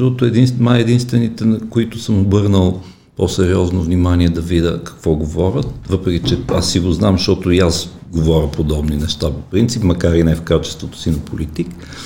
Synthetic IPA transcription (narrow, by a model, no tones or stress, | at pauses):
t̪ɔt̪ʊɛd̪insmaɛd̪inst̪vɛnit̪ɛnɐkoit̪ʊsɤmobɤɾnəlˠ | posɛɾiɔznovnimaniɛd̪ɐvid̪ʲəkɐ̥kvɔɡovɔɾʲət̪vɤpɾɛkʲit͡ʃɛa̰sːiɡoznamʃt̪ɔt̪ʊias | ɡovɔɾʲəpod̪ɔbninɛʃt̪apopɾint̪sipmɐkaɾinɛfkat͡ʃɛ̥st̪vot̪ʊ̥sinɐpʰolit̪ik